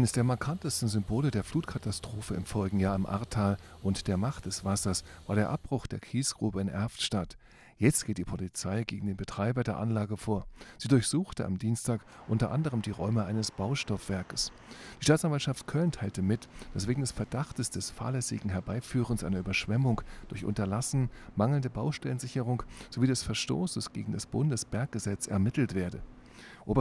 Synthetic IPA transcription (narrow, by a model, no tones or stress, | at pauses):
ʔaɪnəsd̥eːɐmaɐkʰantəstn̩zʏmboːlədeːɐfluːtkʰatastʁ̥oːfəɪ̰mfɔːʁɪɡŋ̩jaːɐɪmʔa̰ɐtʰaːlʔʊntd̥eːɐmaχt̚d̥ɛsv̥asɐsvaːɐdeːɐʔap̚b̥ʁ̥ʊxd̥eːɐkʰiːsɡ̥ʁuːbəɪnʔɛɐftʃtat | jɛt͡stɡ̥eːt̚d̥iːpʰɔlit͡saɪɡḛːɡŋ̩deːnbətʁ̥aɪbɐdeːɐʔanlaːɡəfoːɐz̥iːdʊɐçz̥uːxtəa̰mdiːnstaːk | ʔʊntɐʔa̰ndəʁ̞əmdiːʁɔʏməʔaɪnəsb̥aʊʃtɔfv̥ɛɐkəs | d̥iːʃtaːt͡sanvalʃaftkʰœlntʰaɪltəmɪtd̥asv̥eːɡŋ̩dɛsfɛɐdaχtəsd̥ɛsfa̰ːɐlɛsɪ̰ɡŋ̩ɦɛɐbaɪfyːʁ̞ənsʔa̰ɪnɐʔyːbɐʃv̥ɛmʊŋkd̥ʊɐçʔʊ̰ntɐlasn̩maŋl̩ndəbaʊʃtɛlənzɪçəʁ̞ʊŋz̥oviːdɛsfɛɐʃto̰ːsəsɡ̥ḛːɡŋ̩dasb̥ʊndəsb̥ɛɐk̚ɡ̥əzɛt͡sɛ̰ɐmɪtl̩tv̥eːɐdə | ʔoːbɐ